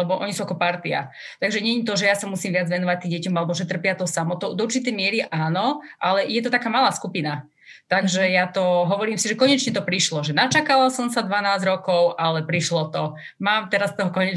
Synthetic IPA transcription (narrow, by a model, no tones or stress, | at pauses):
lɛbɔʔɔɲisuːakɔpaɾt̪ia̰t̪aɡʒɛɲɛɲit̪̬ɔʒɛjasamusiːmʋɪad͡zʋɛnɔʋac̚t̪ːiːmɟɛcɔmalɛbɔʒɛt̪r̩pɪat̪ɔsamɔt̪ɔd̪ɔuɾt͡ʃit̪ɛjmɪɛɾiʔaːnɔʔalɛjɛt̪ɔt̪akaːmalaːskupina | t̪aɡʒɛjat̪ɔɦɔʋɔɾiːmsiʒɛkɔɲɛt͡ʃɲɛt̪ɔpɾiʃlɔʒɛnat͡ʃakalasɔmsad̪ʋanaːzɟɾɔkɔʊʔalɛpɾiʃlɔt̪ɔ | maːmt̪ɛɾast̪ɔɦɔkɔɲɛ